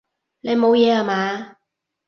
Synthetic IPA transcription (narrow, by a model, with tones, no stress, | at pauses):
ne˨˧jmo˨˧wjɛː˨˧haː˨˧maː˨˧